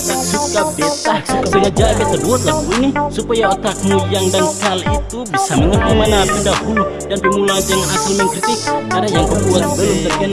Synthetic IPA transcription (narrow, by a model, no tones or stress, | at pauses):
lasukabit̪ahsukabənad͡ʒaʔanbat̪ərduat̪̚lahbuinisupajaot̪ak̚mujaŋdankalit̪ubisaməŋət̪amanapəndahudanbəmulad͡ʒaŋanakəlmɛnkət̪ɪkkarnajaŋt̪ərluat̪̚bəlʊmt̪əɡən